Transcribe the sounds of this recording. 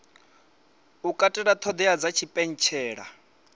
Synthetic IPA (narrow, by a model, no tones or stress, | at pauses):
ukʼatʼɛɺat̪ʰɔd̪ɛad͡zat͡ʃʰipʼɛn̩t͡ʃʰɛːɺa̰